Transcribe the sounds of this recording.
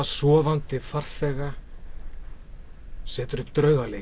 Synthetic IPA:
asɔːvant̪ɪfar̥θɛːɣa | sɛːt̪ʏɾʏhpt̪ɾœɥɣale

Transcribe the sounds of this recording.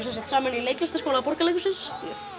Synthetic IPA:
sasat̪saːmɪnileːjklʏst̪askoːwlapɔɾkalejkusɪns

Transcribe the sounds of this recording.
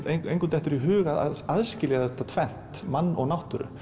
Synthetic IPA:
eejŋkʏnt̪ɛht̪ɪɾiɦʏːɣað̰aðscɪlɪɣaðt̪ːat̪ʰvɛn̥t̪manːɔ̰ɣnawht̪ʏɾʏ̰

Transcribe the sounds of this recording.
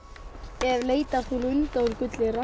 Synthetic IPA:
ɛvleːjt̪aθulʏnt̪aɾkʏt̪lɪɾa

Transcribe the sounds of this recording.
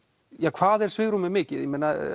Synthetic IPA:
jaːkʰv̥aːðɛɾ̥svɪːɣɾumɪmɪːcɪðjɛmeːna

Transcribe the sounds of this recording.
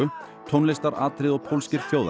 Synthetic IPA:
ʏ | t̪ʰɔwnlɪst̪aɾa̰ːt̪ɾɪðɔɣpʰowlscɪɾ̥fjoːwð

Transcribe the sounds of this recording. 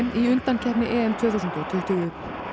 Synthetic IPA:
miʏnt̪ancʰɛpnɪʔɛːɛmt̪ʰvœːθuwsʏnt̪ʏt̪ʰɪlt̪ɪɣʏ

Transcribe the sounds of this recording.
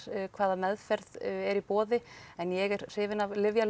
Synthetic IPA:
kʰvaːðamɛðfɛɾðɛɾipɔːðɪɛnjɛɣɛɾ̥r̥ɪːvɪnavlɪvjal

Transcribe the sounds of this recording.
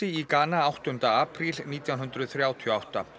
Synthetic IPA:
ɪikaːnaawht̪ʏnt̪aaːpɾilniːt̪jawnɦʏnt̪ɾʏðθɾjaːwt̪ʰiɔawht̪a̰

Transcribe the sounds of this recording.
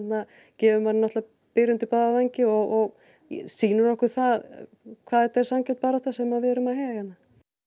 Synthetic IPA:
t̪na | cɛːvʏmannaht̪la | pɪɾʏnt̪ɪpaðavajɲcɪɔɣɔɣ | siːnʏɾɔhkʏɾ̥θað | kʰvaːðɛt̪ːaɛɾ̥samcɛl̥t̪̚paːɾat̪θasɛmaðvɛɛɾʏmaðhejɣajɛt̪na

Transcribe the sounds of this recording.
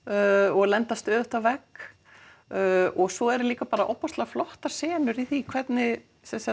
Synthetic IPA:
ɔɣlɛnt̪ast̪œðʏht̪avɛk | ɔɣsɔɛɾliːkapaːɾaʔɔwpɔst̪laflɔht̪ḁsɛːnʏɾiθikʰvɛt̪nɪ | sɛmsa

